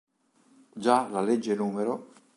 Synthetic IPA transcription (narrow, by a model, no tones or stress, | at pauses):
d͡ʒalaled͡ʒːenuːmeɾo